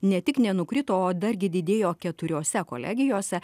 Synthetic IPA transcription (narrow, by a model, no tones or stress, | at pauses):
nʲɛt̪ʲɪknʲɛnʊkɾʲɪt̪oːoːd̪ɐɾʲɡʲɪd̪ʲɪd̪ʲeːjoːkʲɛt̪ʊɾʲoːsʲɛko̰ːlʲɛ̰ːɡʲɪjoːsʲɛ